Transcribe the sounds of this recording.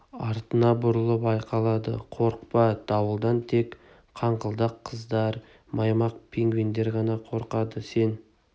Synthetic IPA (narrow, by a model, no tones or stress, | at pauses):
ɑɾt̪ənɑbʊɾəlˠəpɑjqɑlˠɑd̪ə̰qʰo̞ɾq̚pɑd̪̥ɑwəlˠd̪ɑnt̪ʰe̞k | qʰɑɴqəlˠd̪ɑqʰːəzd̪ɑɾ | mɑjmɑq̚pʰeŋɡvind̪eɾʁɑnɑqʰo̞ɾqɑd̪əse̞n